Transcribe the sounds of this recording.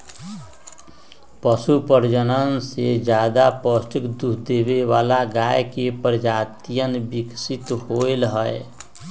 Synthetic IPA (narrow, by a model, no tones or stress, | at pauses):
pəsupəɾd͡ʒənənsed͡ʒjaːd̪apəsʈəkd̪uɦʰd̪ebeʋalaɡajkepəɾd͡ʒaːt̪ijənbiksit̪ɦoelɦəe